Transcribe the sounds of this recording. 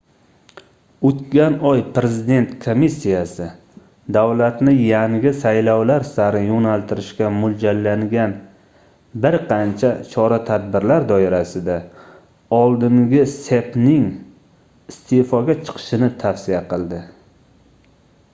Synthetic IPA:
ot̪kʲanɒjpɾezɪd̪e̞nt̪kʰomisːijasɪ | d̪awlat̪nɪjaŋɡʲɪsajlɒwlaɾsaɾɪjonalˠt̪ʰɪɾɪʃkʲamʊld͡ʒalːaŋɡʲan | bɪɾqʰɑnt͡ʃʰat͡ʃʰɒɾat̪ʰad̪̚bɪɾlaɾd̪ɒɪɾasɪd̪a | ɒlˠd̪ɪŋɡʲɪse̞pnɪŋ | ɪst̪ʰefɒɡʲat͡ʃʰɨ̥qʰɨ̥ʃɪnɪt̪ʰafsɪjaqʰɨlˠd̪ɪ

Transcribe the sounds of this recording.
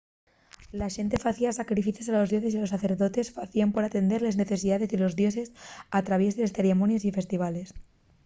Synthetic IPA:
laʃe̞nt̪e̞faθiasakɾifiθesalo̞zðjo̞sesialosaθe̞ɾðo̞t̪e̞sfaθiampo̞ɾat̪e̞nd̪e̞ɾle̞zne̞θe̞siðaðe̞zelo̞zðjo̞sesat̪ɾaβje̞zðelesθe̞ɾemonjesife̞st̪iβ̞ale̞s

